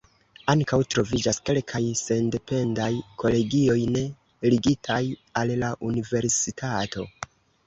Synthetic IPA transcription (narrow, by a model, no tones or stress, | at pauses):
aŋkawtɾo̞vid͡ʒaske̞lkʰajse̞nde̞pʰe̞ndajkʰo̞le̞ɡio̞jne̞ | liɡitʰajallaʔunive̞ɾsitʰato̞̰